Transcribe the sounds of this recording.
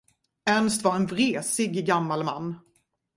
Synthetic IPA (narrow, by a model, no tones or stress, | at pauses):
ɛnst̪vaɾɛnvɾeːsɪɡːamːalma̰nː